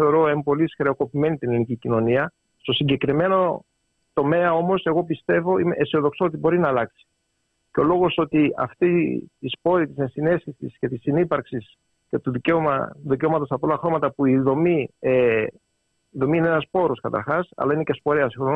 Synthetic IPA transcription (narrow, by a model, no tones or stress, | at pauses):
eo̞ɾo̞empo̞lisxɾe̞oko̞pime̞nit̪inelinicicino̞niɐ | st̪o̞siɲɟe̞kɾime̞no̞ | t̪o̞me̞ɐo̞mo̞se̞ɣo̞pist̪e̞vo̞ime̞ʔesio̞ðo̞ksoot̪ibo̞ɾinɐːlɐksi̥ | ceo̞lo̞ɣo̞so̞t̪iɐ̰ft̪it̪ispo̞ɾit̪ise̞nsine̞sçisḭsce̞t̪isinipɐɾksis | ce̞t̪uðiceoɐ̰uðiceo̞mɐt̪osɐpo̞lɐɐxɾo̞mɐt̪ɐpuiðo̞mie | iðo̞miineenɐspo̞ɾoskɐt̪ɐ̰ɾxɐsɐ̰lɐinece̞spo̞ɾeɐsixɾon